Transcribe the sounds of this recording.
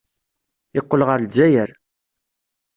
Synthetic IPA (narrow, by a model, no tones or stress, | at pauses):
ɪqːəlʁəɾld͡zæjəɾ